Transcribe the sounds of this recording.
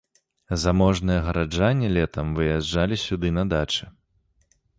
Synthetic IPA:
zamɔʐnɨjɐɣɐɾad͡ʐanʲːɛlʲɛt̪ɐmvɨjaʐalʲisʲud̪ɨnɐd̪at͡ʂɨ

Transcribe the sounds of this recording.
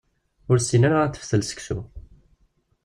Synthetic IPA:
ʊɾsinaɾaæθə̥fθəlsə̥ksṵ

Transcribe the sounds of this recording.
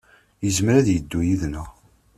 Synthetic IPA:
jəzəmɾæðjəd̪ːujiðnəʁ

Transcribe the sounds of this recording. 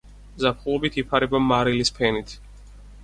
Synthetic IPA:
zapʰχulˠɔbit̪ʰipʰaɾɛbamaɾilispʰɛnit̪ʰ

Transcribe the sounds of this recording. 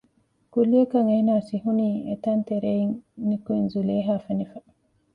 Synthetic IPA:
kuliɐkɐŋeːnaːsiɦuniːḛt̪ɐnt̪eɾeiŋnikuinzuleːɦaːfenifɐ

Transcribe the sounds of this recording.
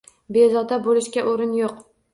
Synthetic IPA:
bezɒd̪abolɪʃkʲaʔoɾɪnjoq

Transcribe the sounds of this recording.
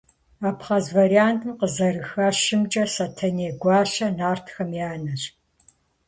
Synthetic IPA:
aːpχɐzvɐriaːntʰɨmqəzɐrɨxɐʃɨmt͡ʃʼɐsɐtʰɐneːɡʷɑːɬɐnaːrtʰxɐmjaːnɐɕ

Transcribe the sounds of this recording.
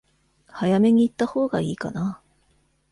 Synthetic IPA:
hajame̞ɲ̟iːt̪ːaho̞ːɡa̰iːka̰na

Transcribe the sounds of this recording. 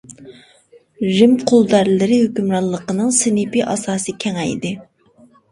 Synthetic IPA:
ʒɪmqʰʊlˠd̪æɾlɪɾɪhøkʲymɾɑllˠːəqənɨŋsɪnɪpiʔɑ̰sɑːsɨkʲʰɛŋɛjd̪ɪ

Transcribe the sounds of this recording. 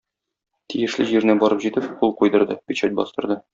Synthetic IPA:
t̪ijɘ̆ʃlɘ̰ʑiɾnɘbɒɾɤpʑit̪ɘpqulˠqujd̪ɤ̆ɾd̪ɤbiɕæt̪̚bɒ̰st̪ɤ̆ɾd̪ɤ

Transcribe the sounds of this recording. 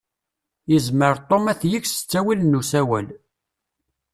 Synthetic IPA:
jəzməɾt̪ˤːomæθjiçsə̥t͡sːæwilnːusæwæl

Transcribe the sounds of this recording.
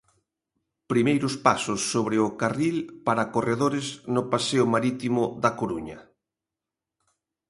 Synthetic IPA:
pɾimejɾʊspasʊsːoβɾɪʊkarilpaɾakoreðoɾɪznʊpaseʊmaɾit̪imʊðɐkoɾuɲɐ

